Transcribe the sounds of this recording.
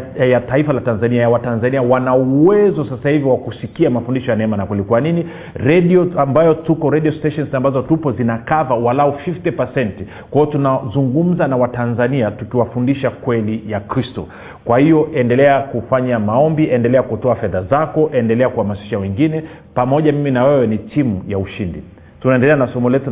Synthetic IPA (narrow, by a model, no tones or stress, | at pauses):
jataifalatanzaniajawatanzaniawanauwɛzɔsasahiviwakusikiamafundiʃɔjanɛɛmanakulikuanini | ɾɛɗiɔambajɔtukɔɾɛɗiɔstɛʃɔnzambazɔtupɔzinakavawalaufiftipasɛnti | kwaɔtunazuŋɡum̩zanawatanzaniatukiwafundiʃakwɛlijakɾistɔ̰ | kwahijɔʔɛndɛlɛakufaɲamaɔmbiʔɛndɛlɛakutɔafɛðazakɔʔɛndɛlɛakuhamasi̥ʃawɛŋɡinɛpamɔʄamiminawɛwɛnitimujauʃindḭ | tunaɛndɛlɛanasɔmɔlɛtu